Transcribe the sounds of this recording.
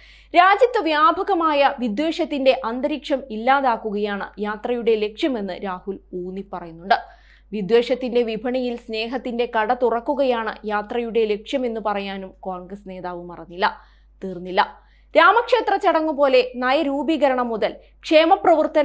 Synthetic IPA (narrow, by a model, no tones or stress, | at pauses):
ɾaːd͡ʑɐt̪ːɨʋjaːbʱɐɣɐmaːjɐʋid̪we̞ːʂɐt̪ːinde̞ʔɐnd̪ɐɾikʂɐmilːaːðaːkːuɣɐjaːɳɨjaːt̪rɐjuɽe̞le̞kʂjɐme̞nːɨɾaːhuluːnipːɐrɐjunːuɳɖɨ | ʋid̪we̞ːʂɐt̪ːinde̞ʋibʱɐɳijilsne̞ːɦɐt̪ːinde̞kɐɽɐt̪urɐkːuɣɐjaːɳɨ̰jaːt̪rɐjuɽe̞le̞kʂjɐme̞nːupɐrɐjaːnumkoːɳɡrɐsne̞ːðaːʋɨmɐrɐnːilːɐ | t̪iːrnːilːɐ | ɾaːmɐkʂe̞ːt̪rɐt͡ɕɐɽɐŋːupo̞ːle̞nɐjɐɾuːbiːɣɐɾɐɳɐmːuðɐl | kʂe̞ːmɐprɐʋɨrt̪ɐn